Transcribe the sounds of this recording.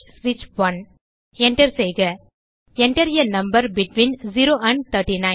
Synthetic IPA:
sʋɪt͡ʃʋɐn | ɛɳʈɐɾsejɡɐ | ɛɳʈɐɾjɐnɐ̃mbɐɾbɪʈʋĩnziɾoːʔɐ̃ɳɖt̪ʰɐɾʈinãɪ̃

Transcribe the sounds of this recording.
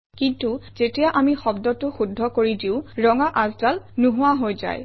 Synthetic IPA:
kintuz̥etijaʔamixɔbdɔtʊxudʱːɔkoɹidiʊ̃ɹɔŋaʔazdalnuɦʊwaɦojza̰j

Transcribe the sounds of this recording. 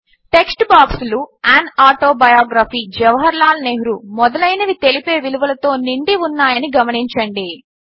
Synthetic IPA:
ʈe̞ksʈbaːksuluaːnaːʈoːbɐjaːɡɾaːfiːd͡ʒɛʋɐɦɐɾlaːlneːɦuɾumɔd̪ɐlɐjnɐʋit̪e̞lipeːʋiluʋɐlɐt̪o̞ːniɳɖiunːaːjɐniɡɐmɐɳiɲt͡ʃɐɳɖi

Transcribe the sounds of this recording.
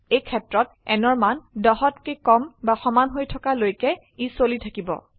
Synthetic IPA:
ejkʰɛtɹɔt̚ | ɛnɔɹmandɔɦɔtkekɔmbaxɔmanɦojtʰɔkalojkɛ | isolitʰakibɔ̰

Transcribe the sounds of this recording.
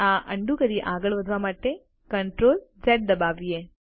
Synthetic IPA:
aːʔɐɳɖukɐɾiʔaːɡɐɭʋɐd̪ʱʋaːmaːʈːe | kɐɳʈɾoːld͡ʒeʈ̚d̪ɐbaːʋieː

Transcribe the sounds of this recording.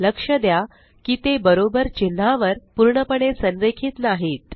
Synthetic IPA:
ləkʂəd̪ja | kiːt̪ebəɾobəɾt͡ɕin̤ːaʋəɾpuɾɳəpəɳesənɾekʰiːt̪naɦiːt̪

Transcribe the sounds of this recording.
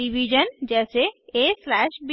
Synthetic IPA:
iʋid͡ʒənd͡ʒɛːseeslɛʃbi

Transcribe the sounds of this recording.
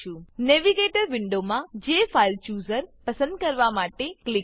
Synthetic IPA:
ũneʋiɡeʈəɾʋɪɳɖomãd͡ʒefʰailt͡ʃuːzəɾpəsə̃nd̪̚kəɾʋamaʈeklɪ

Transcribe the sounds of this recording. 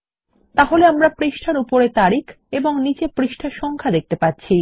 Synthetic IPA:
t̪aɦoleamɾapɾiʃʈʰaɾupoɾet̪aɾik | eboŋnit͡ɕepɾiʃʈʰaɾʃɔŋkʰad̪ek̚t̪epatːɕʰi

